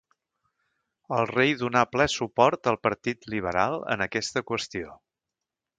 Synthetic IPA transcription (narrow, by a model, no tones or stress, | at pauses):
əlˠrejðunaplɛsupɔɾt̪əlˠpəɾt̪it̪liβ̞əɾalˠə̰nəkɛst̪əkwəst̪io